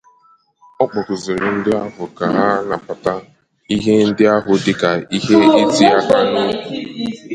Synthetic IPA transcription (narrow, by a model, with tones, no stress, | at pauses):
ɔ˦k͡pɔ˨kʊ˨zɪ˨ɾɪ˨n̩˦dɪ˦a˦ɦʊ˨ka˨ɦa˦na˨pa˨ta˦ | i˦ɦe˦n̩˦dɪ˦a˦ɦʊ˨dɪ˦ka˨i˦ɦe˦e˦di˦a˦ka˦nʊ˦ku˨